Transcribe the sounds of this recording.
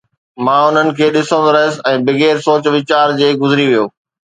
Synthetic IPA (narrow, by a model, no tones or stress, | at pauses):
mãːʊn̤ənɪ̆kʰeːɗɪsə̃ɾɐɦɪsɪ̆ɛ̃ːbɪɡeːɾsoːt͡ɕʋɪt͡ɕaːɾd͡ʑeːɡʊzɪɾiʋijoː